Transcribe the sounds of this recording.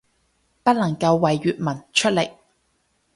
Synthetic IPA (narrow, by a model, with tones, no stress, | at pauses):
pɐ˥t̚lɐ˨˩ŋkɐ˧wːɐ˨jːyː˨t̚mɐ˨˩nt͡ʃʰɵ˥t̚le˨˩j